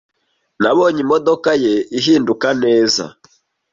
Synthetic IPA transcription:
naβoːɲimodokaje̞iɦiːndukane̞ːza̰

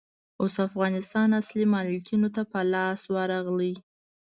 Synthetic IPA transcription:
osafɣɑnɪst̪ɑnaslimɑlikinot̪apəlɑswaɾɑɣlə

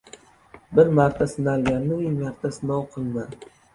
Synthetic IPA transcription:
bɪɾmaɾt̪ʰasɪnalɡʲanːɪjmaɾt̪ʰasɪnɒwqʰɨlˠma

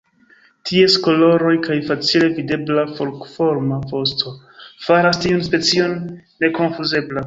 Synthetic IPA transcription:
tʰie̞sko̞lo̞ɾo̞jkajfat͡sile̞vide̞blafolkfo̞ɾmafo̞stʰo̞ | faɾastiunspe̞t͡sio̞nː | e̞ko̞nfuze̞bla

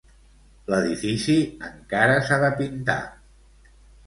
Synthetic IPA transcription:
ləðifisiəŋkaɾəsaðəpint̪a̰

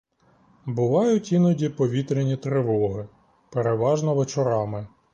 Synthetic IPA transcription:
bʊʋɑjʊtʲinɔdʲipɔʋʲit̪ɾʲenʲit̪ɾɪʋɔɦɪ | peɾeʋɑʒnɔʋet͡ʃɔɾɑmɪ

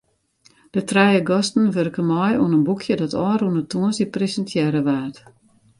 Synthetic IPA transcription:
d̥ətrɛjəɡɔstn̩ʋørkəmɔjuənənbukʰjədɔtʰɔːɾuənətʰuənsipresəntjɛɾəʋaːt

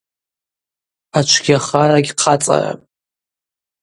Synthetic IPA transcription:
at͡ʃʷʰɡʲaχaɾaɡʲqʰat͡sʼa̰ra̰

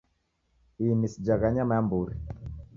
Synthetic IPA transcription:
inisid͡ʒaɣaɲamaambuɾi

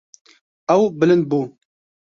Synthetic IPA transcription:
ɛwbɨlɨnd̪̚buː

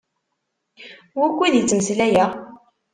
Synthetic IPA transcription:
wækʷːiðjit͡sːməslæjæ

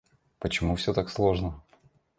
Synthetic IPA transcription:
pət͡ɕɪmufsʲɵt̪akslˠo̞ʐnə

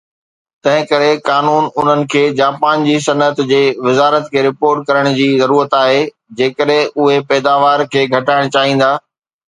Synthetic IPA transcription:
t̪ɐ̃ɦɪ̃kɐɾekaːnuːnʊn̤ənɪ̆kʰeːd͡ʑaːpaːnd͡ʑiːs̬ɐnət̪d͡ʑeːʋɪzaːɾət̪kʰeːɾɪpoːɾʈkɐɾəɽ̃d͡ʑiːzɐɾuːɾət̪aːɦe | d͡ʑeːkəɗɦɪ̃ʔʊɦepɛːd̪aːʋaːɾkʰeːɡʱɐʈaːɪɽ̃t͡ɕaːɦĩːn̆d̪aː

